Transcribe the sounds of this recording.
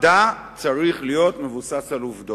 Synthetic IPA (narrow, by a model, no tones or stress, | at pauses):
dat͡saʁiχlijo̞t̪me̞vusasaluvd̪o